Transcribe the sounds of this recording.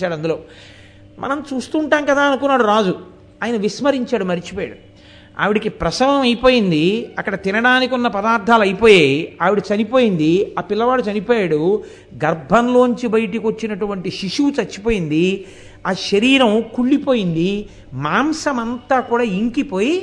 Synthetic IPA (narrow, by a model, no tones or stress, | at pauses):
t͡ʃaːɽɐnd̪ulo̞ː | mʔɐ̰nɐmt͡ʃuːst̪uːɳʈaːmkɐd̪aːɐnukunːaːɽuɾaːd͡ʒu | aːjɐnɐʋismɐɾiɲt͡ʃaːɽumɐɾit͡ʃi̥poːja̰ːɽu | a̰ːʋiɽikipɾɐsɐmɐmɐjipo̞ːjind̪iɐkːɐɽɐt̪inɐɽaːnik̬unːɐpɐd̪aːɾd̪ʱaːlɐjipo̞ːjeːaːʋiɽut͡ʃɐnipoːjind̪iaːpilːɐʋaːɽut͡ʃɐnipoːjaːɽu | ɡɐɾbʱɐnlo̞ːɲt͡ʃibɐjɐʈ̬ikʋot͡ʃːinɐʈuʋɐɳʈiʃiʂut͡ʃɐt͡ʃːi̥poːjind̪i | aːʃɐɾiːɾɐmkuɭːipoːjind̪i | maːmsɐmɐnt̪aːkuːɽaːiŋkipo̞ːji